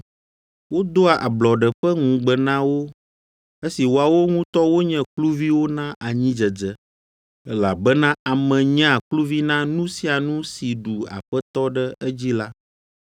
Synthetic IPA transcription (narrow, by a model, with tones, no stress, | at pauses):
wo˦d̪o˦a˨ʔa˨blɔ˨ɖɛ˨ɸɛ˦ŋũ˨ɡ͡bɛ˨nã˦wo˦ | e˦si˨wo˨a˨wo˦ŋũ˦t̪ɔ˦wo˦ɲɛ̃˦˨klu˦vi˦wo˦nã˦ʔa˨ɲĩ˦d͡ʒɛ˨d͡zɛ˦ | ɛ˦la˨bɛ˦nã˦a˨mɛ̃˨ɲɛ̃˦a˨klu˦vi˦nã˦nũ˦si˦a˨nũ˦si˨ɖu˨a̰˨ɸɛ˦t̪ɔ˦ɖɛ˦ɛ˦d͡ʑi˦la˦